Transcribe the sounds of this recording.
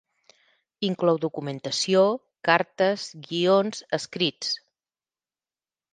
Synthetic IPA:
iŋklɔwd̪ukumənt̪əsio | kaɾt̪əzɣionzəskɾit͡s

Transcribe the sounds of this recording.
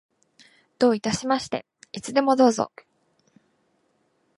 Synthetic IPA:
d̪̥o̞ːit̪aɕimaɕi̥t̪e̞̰ | it͡sɨd̪e̞mo̞d̪o̞ːzo̰

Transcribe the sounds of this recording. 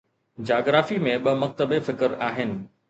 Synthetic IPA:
d͡ʑaːɡɾaːfimẽɓɐmɐk̚t̪əbefɪkəɾaːɦɪnɪ̆

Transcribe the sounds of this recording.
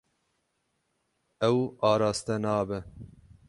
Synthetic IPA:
ɛwɑːɾɑːst̪ɛnɑːbɨ

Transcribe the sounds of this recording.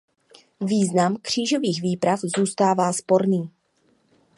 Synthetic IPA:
viːznamkr̝̥iːʒo̞viːɣviːpɾafzuːst̪aːvaːspo̞ɾniː

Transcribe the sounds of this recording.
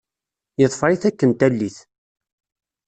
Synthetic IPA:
jəðˤfɾˤiθækːənt̪ælːiθ

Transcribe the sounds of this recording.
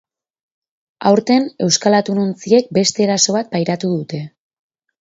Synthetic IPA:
a̰wɾt̪e̞ne̞wskalat̪unont͡sie̞k̚be̞st̪e̞ːɾaso̞βat̪̚pajɾat̪uðut̪e̞

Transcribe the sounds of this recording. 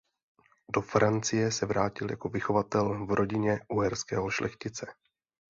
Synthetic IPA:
do̞fɾant͡sɪjɛsɛvɾaːcɪlja̰ko̞vɪxo̞vat̪ɛlvɾo̞ɟɪɲɛʔuɦɛɾskɛ̰ːɦoʃlʔɛxcɪt͡sɛ

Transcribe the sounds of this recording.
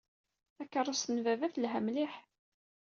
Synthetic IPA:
ækːərˤːəsənvævæθlɦæmliħ

